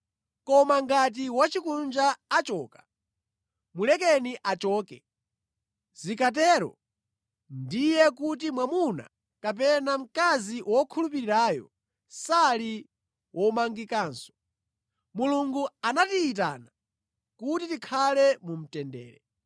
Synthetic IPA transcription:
kɔmaŋɡat̬iwat͡ʃikund͡ʒaːt͡ʃɔːkḁ | mulɛkɛniʔat͡ʃɔːkɛ | zikʰat̬ɛːɾɔ̰ | ndijɛkut̬imwamuna̰ | kap̬ɛnam̩kaziwʔɔkʰulup̬iɾiɾaːjɔ̰ | sali | wʔɔmaŋɡikaːnsɔ̥ | muluŋɡuanatiːt̬a̰ːna | kutitikʰalɛmum̩tɛndɛ̰ːɾɛ

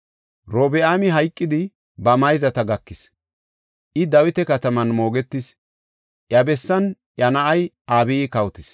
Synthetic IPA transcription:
ɾoːbɛʔaːmɪɦɐjkʼːɪd̪ɪ | bɐmɐjzɐt̪ɐɡɐkːɪs | ʔɪd̪ɐwɪt̪ɛkɐt̪ɐmɐnmo̞ːɡɛt̪ːɪs | ʔjɐbɛsːɐn | ʔjɐnɐʔɐjʔaːbiːkɐwt̪ɪs

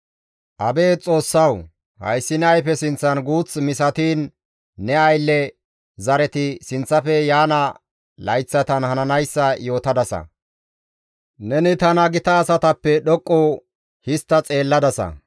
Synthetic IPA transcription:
ʔɐbe̞ːt͡sʼo̞ːsːɐw | hɐ̰jsːɪnːjfɛsɪnt͡sːɐnɡuːt͡smɪs̬ɐt̪iːnː | ɛɐjlːɛ | zɐɾɛt̪ɪsɪnt͡sːɐfɛjaːnɐ | lɐjt͡sːɐt̪ɐnhɐnɐnɐjsːɐjo̞ːt̪ɐd̪ɐsɐ̰ | nɛnɪt̪ɐnɐɡɪt̪ɐːsɐt̪ɐpːɛɗɔkʼːɔ | hɪst̪ːɐt͡sʼe̞ːlːɐd̪ɐsɐ̰

